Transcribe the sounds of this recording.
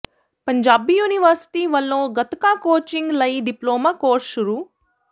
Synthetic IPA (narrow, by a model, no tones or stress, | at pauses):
pɐɲd͡ʒaːbijuːniʋɐɾsi̥ʈiːʋɐlːoːɡɐt̪ɐkaːkoːt͡ʃiŋɡlɐjɖiploːmakoːɾʃuɾu